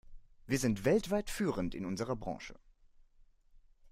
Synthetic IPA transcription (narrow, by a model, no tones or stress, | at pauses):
viːɐzɪntv̥ɛltv̥aɪtfyːʁəntɪ̰nʔʊnzəʁɐbʁɑ̰̃ːʃə̰